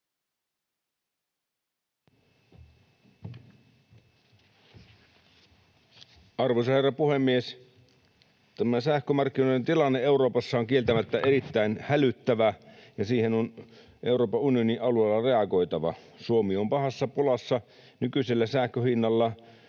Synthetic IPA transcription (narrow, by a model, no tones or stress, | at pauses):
ɑrʋojsɑherːɑpuhemːies | t̪æmæsæhkømɑrkːinojdent̪ilɑnːee̞uɾo̞ːpɑsːɑoŋkie̞lt̪æmæt̪ːæʔe̞ɾit̪ːæinhælyt̪ːæʋæjɑsiːhenon | ʔe̞wɾo̞ːpɑunioniʔɑlueːlːɑre̞ɑɡo̞jt̪ɑʋɑ̰ | suomiompɑhɑsːɑpolɑsːɑ | nykyselːæsæhkøhinːɑlːɑ